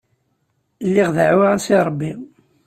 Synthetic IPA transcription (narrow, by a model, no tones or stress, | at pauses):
lːiʁðaʕuʁasiɾˤəbːi